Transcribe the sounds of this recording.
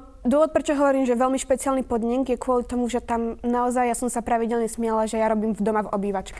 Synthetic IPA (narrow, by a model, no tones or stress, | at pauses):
d̪ʊɔʋɔt̪pɾɛt͡ʃɔɦɔʋɔɾiːmʒɛʋɛlmiʃpɛt͡sɪalnipɔd̪ɲɛŋɡjɛkʊɔlit̪ɔmuʒɛt̪amnaɔzajjasɔmsapɾaʋiɟɛlɲɛsmɪalaʒɛjaɾɔbiːmvd̪ɔmavɔbiːʋat͡ʃkɛ̥